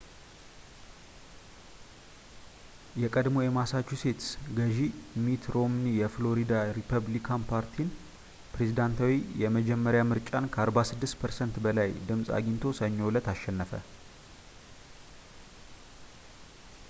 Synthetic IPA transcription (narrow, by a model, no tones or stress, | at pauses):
jɛkʼəd̪mo̞jɛmasat͡ʃːuse̞t̪sɡəʒimit̪ʰɾo̞mnijɛflo̞ɾid̪aɾipʰəβlikʰanpʰaɾt̪ʰin | pɾe̞zid̪ant̪ʰawijɛməd͡ʒɛmːəɾjamɨɾt͡ʃʼankʰəaɾbasɨd̪ːɨst̪pʰəɾsənt̪bəlajd̪ɨmsʼa̰ɡint̪ʰo̞səɲːo̞wlət̪aʃːɛnːəfə